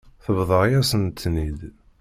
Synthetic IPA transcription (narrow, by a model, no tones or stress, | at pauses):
θəvðˤəʁjæsənt̪ːnid̪